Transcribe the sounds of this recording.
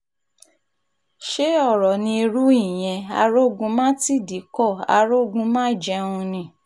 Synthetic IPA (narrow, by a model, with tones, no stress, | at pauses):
ʃe˦ɔ˦˨ɾɔ˨nĩ˧i˧ɾu˦i˦˨j̃ɛ̃˧a˧ɾo˦˨ɡũ˧mãː˦ti˦˨di˨˦kɔ˦˨a̰˧ɾo˦˨ɡũ˧˦mãː˦˨d͡ʒɛ˧ũ˧nĩ˧˦˨